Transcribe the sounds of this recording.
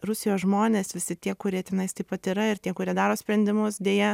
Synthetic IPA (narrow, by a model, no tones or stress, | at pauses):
rʊsʲɪjoːsʒmoːnʲeːsʋʲɪsʲɪt̪ʲiɛkʊɾʲiɛt̪ʲɛnɐɪst̪ʲɪpɐt̪iːɾɐɪɾt̪ʲiɛkʊɾʲiɛd̪ɑːɾoːsʲpʲɾʲɛnʲd̪ʲɪmʊsd̪ʲeːjɛ